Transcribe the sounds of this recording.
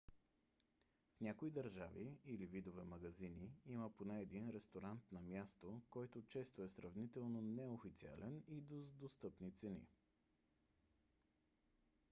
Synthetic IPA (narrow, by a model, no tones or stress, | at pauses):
fnʲakoid̪ɐɾʒaviilivid̪ovɛmɐɡɐziniiməponɛːd̪inɾɛst̪oɾant̪nɐmjast̪okɔjt̪ot͡ʃɛst̪oɛsɾɐvnit̪ɛlˠnonɛofit̪sia̰lɛnid̪ozd̪ost̪ɤpnit̪sɛnḭ